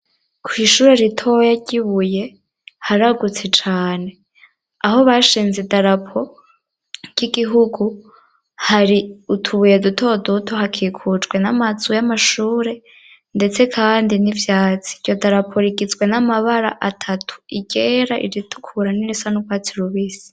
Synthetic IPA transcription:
kʰwiːʃuːɾeɾitʰo̞jaɟiβuje̞ | haɾaɡut͡se̞t͡ʃaːne̞ | aho̞βaʃiːnzidaɾapʰo̞ | ɟ̥iɡiɦuɡu | haɾiutʰuβuje̞dutʰo̞dutʰo̞hakʰikʰut͡ʃɡwe̞namazujamaʃuːɾe̞ | nde̞t͡se̞kʰaːndinivjaːt͡si̥ɾjo̞daɾapʰo̞ɾiɡizɡwe̞namaβaɾa̰ʔatʰatʰu̥iɟeɾaʔḭɾitʰu̥kʰuɾaniɾisanukwaːt͡siɾuβiːsi̥

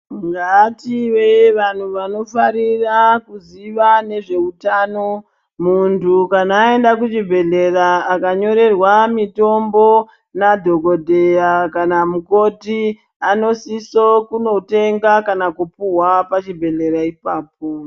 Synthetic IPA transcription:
ŋɡaːtiweʋan̤uʋano̞faɾirakuziʋane̞ʐe̞utaːno̞ | muntukanaːe̞ndakut͡ʃibʱe̞ɮe̞raːkaɲo̞ɾe̞rwamito̞mbo̞ | nadʱo̞ko̞dʱe̞jakanamuko̞ti | ano̞sisokuno̞te̞ŋɡakanakupuwapat͡ʃibʱe̞ɮe̞ɾaipaːp̚o

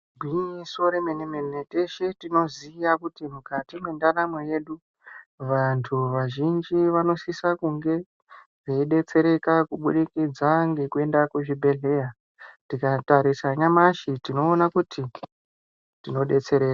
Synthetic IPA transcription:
ɡʱwiɲiso̞ɾemenemenete̞ʃetino̞zijakutimukatimwe̞ndanameje̞ɗu | ʋantʰuʋaʒind͡ʒiʋano̞sisakuŋɡe̞ | ʐeiɗe̞t͡se̞ɾe̞kakuɓṵɗikid͡zaŋɡe̞kue̞ndakuʐibʱe̞ɮe̞ːja | tikataɾisaɲamaʃitino̞ːnakutʰi | tino̞ɗe̞t͡se̞ɾeːra

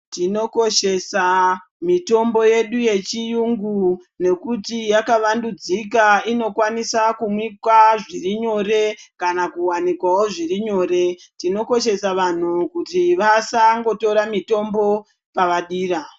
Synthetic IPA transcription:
tino̞ko̞ʃe̞sa | mito̞mbo̞je̞ɗuje̞t͡ʃijuŋɡu | ne̞kutijakaʋandud͡zikaino̞kwanisakumwikwaʐiriɲo̞ɾe̞kanakuwanikwao̞ʐiriɲo̞ːɾe̞ | tino̞ko̞ʃe̞saʋan̤ukutiʋasaŋɡo̞to̞ɾamito̞mbo̞ | paʋaɗiːra

